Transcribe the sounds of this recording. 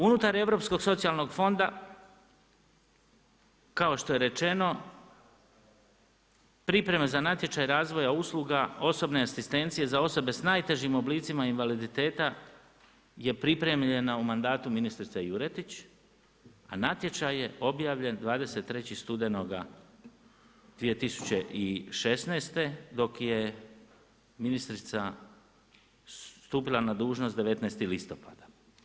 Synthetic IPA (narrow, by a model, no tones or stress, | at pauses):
unut̪aɾe̞ʋɾo̞psko̞ɡ̥so̞t̪sialˠno̞ɡfo̞nd̪a | kao̞ʃt̪o̞je̞ɾe̞t͡ʃe̞no̞ | pɾipɾe̞mezanat̪je̞t͡ʃajɾaːzʋo̞jauslˠuɡao̞so̞bne̞asist̪e̞nt̪sije̞zao̞so̞be̞snaːjt̪e̞ʒimo̞bliːt̪simainʋalid̪it̪e̞ːt̪a | je̞pɾipɾe̞mʎe̞naumand̪aːt̪uminist̪ɾit̪sejuɾet̪it͡ɕ | a̰nat̪je̞t͡ʃaje̞ʔo̞bjaːʋʎe̞nd̪ʋaːd̪e̞se̞t̪ːɾe̞t͡ɕist̪ud̪e̞no̞ɡa | d̪ʋie̞t̪isu̥t͡ɕe̞ʔiʃe̞sneːst̪e̞d̪o̞kje | minist̪ɾit̪sa | st̪uːpilˠanad̪uːʒno̞st̪d̪e̞ʋe̞t̪neːst̪ilist̪o̞pad̪ḁ